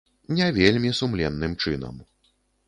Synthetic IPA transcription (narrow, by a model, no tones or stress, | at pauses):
nʲɛvʲelʲmʲisumlʲɛnːɨmt͡ʂɨnɐ̰m